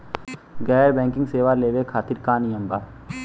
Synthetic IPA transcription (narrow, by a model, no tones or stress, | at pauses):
ɡɛːɾbɛ̃ːŋkɪ̃ŋɡseːʋaleːʋekʰaːt̪ɪɾkaːnijəmbaːɾ